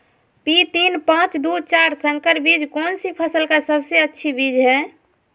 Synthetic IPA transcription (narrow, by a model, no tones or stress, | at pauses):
pit̪inpãt͡ʃd̪ut͡ʃaɾsə̃ŋkəɾbid͡ʒkɔːnsipʰəsəlkasəbseətːʃʰibid͡ʒɦɛ̃